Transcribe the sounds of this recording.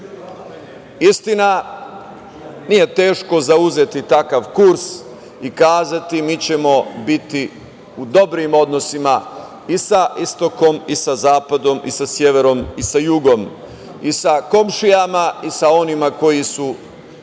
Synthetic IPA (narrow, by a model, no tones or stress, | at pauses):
ist̪ina | nije̞t̪e̞ːʃko̞zauze̞t̪it̪akaʋkuɾs | ikaːzat̪imiːt͡ɕe̞mo̞bit̪i | ud̪o̞bɾimo̞d̪no̞sima | isaʔist̪o̞ko̞misazaːpad̪o̞mḭsasje̞ʋe̞ɾo̞misajuɡo̞m | isako̞mʃijamaisao̞nimako̞jisu